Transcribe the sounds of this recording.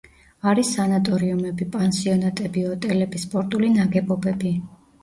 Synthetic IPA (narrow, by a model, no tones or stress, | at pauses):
aɾisanat̪ʼɔɾiumɛbipʼansiɔnat̪ʼɛbiɔt̪ʼɛlɛbispʼɔɾt̪ʼulinaɡɛbɔbɛbi